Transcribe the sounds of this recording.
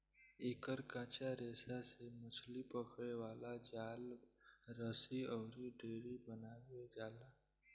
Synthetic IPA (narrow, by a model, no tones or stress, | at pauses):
eːkəɾkãːt͡ʃaɾeːsasemʊt͡ʃʰlipəkʰɽewaːlad͡ʒaːlɾəsiɔːɾiɖeːɾibənaːwed͡ʒaːlaː